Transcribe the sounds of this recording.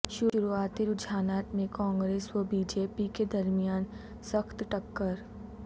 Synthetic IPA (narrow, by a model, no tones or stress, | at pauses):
ʃʊʊɾuaːt̪iɾʊd͡ʒʱaːnaːt̪mẽkãːŋɡɾeːswəbiːd͡ʒeːpiked̪ɐɾmijaːn | səxt̪ʈɐkːəɾ